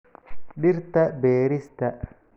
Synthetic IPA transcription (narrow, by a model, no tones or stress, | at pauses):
ɗiɾt̪ɐbeːɾist̪ɐ